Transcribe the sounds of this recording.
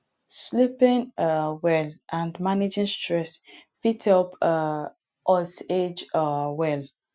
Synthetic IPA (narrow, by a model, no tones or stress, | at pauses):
slipĩnwɛlʔãndmaned͡ʒĩnstʰɹɛsfitʰɔpʰ | ʔɔsed͡ʒɔwɛl